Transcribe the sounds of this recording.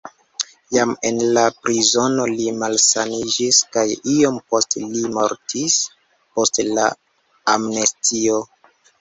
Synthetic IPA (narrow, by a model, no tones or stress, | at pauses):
jame̞nlapɾizo̞no̞limalsanid͡ʒiskajio̞mpo̞stlimoɾtʰis | po̞stla̰ | amnestʰio